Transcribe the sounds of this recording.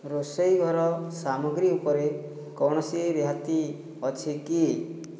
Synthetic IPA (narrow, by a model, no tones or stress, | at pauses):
ɾosɔjɡʱɔɾɔsamɔɡɾiupɔɾe | kɔɽ̃ɔsieɾeɦat̪i | ɔt͡ʃʰiki